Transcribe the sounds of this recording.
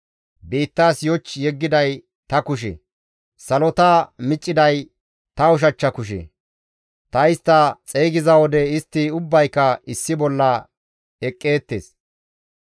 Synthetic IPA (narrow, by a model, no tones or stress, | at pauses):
biːt̪ːaːsjɔt͡ʃːjɛɡːɪd̪ɐj | t̪ɐkʊʃ̬ɛ̰ | sɐlɔt̪amɪt͡ʃʼːɪd̪ɐj | t̪ɐʊʃ̬ɐt͡ʃːɐkʊʃ̬ɛ̰ | t̪ɐɪst̪ːɐt͡sʼejɡɪzɐwɔd̪ɛɪst̪ːɪʊbːɐjkːɐɪsːɪbɔlːɐ | ɛkʼːe̞ːt̪ːḛːs